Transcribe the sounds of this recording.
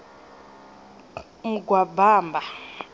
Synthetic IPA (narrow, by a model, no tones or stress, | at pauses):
ŋɡwabaːmbʱa